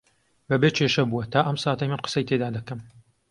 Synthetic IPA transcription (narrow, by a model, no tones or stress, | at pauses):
bɐbeːt͡ʃʰeʃɐbuwɐt̪ʰaːʔɐmsaːt̪ɐjmɨnqɨ̥sɐjt̪ʰed̪aːd̪ɐkɐm